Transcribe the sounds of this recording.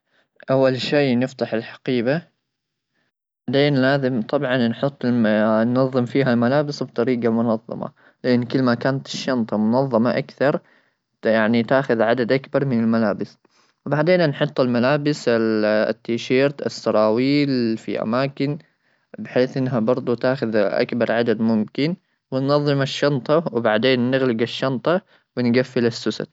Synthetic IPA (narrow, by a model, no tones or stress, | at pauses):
ʔawːalʃeːnɪft̪aħɪlħḁqiːba | b̥aʕd̪eːnlaːzɪmt̪ˤɑbʕɑnnħʊt̪ˤːnːɑðˤːɨmfiːɦalmalaːbɪsbt̪ˤɑɾiːɡamʊnɑðˤːɑ̰mɑ̰ | lɪʔɪnːkɪlːmakaːnat̪ɪ̥ʃːɑnt̪ˤɑmʊnɑðˤːɑmɑʔakθɑɾˤ | jaʕnit̪aːxʊðʕad̪ad̪ʔakbɑɾˤmɪnɪlmalaːbɪs | wbaʕd̪eːnanħʊt̪ˤːalmalaːbɪs | t̪ːiːʃiːɾt̪a̰sːɑɾˤɑːwiːlfḭʔa̰maːkɪn | bɪħeːθʔɪnːɦabɑɾˤd̪ˤut̪aːxʊðʔa̰kbɑɾˤʕad̪ad̪mʊmkɪn | wɪnːɑðˤːɨmaʃːɑnt̪ˤɑwbaʕd̪eːnːɪɣlɪɡaʃːɑnt̪ˤɑ | wɪnɡafːɪlasːʊsa̰t̪